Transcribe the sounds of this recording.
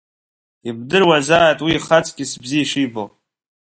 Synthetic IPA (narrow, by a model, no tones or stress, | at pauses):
ib̚dɨrwazaːjtʼwiːχat͡sʰʼɡʲɪsbziiʂijbo̰